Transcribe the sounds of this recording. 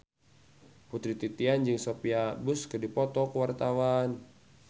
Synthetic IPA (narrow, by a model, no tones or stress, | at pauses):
put̪ɾit̪it̪iand͡ʒɨŋsopiabuskɨrdipɔt̪ɔkəwart̪awan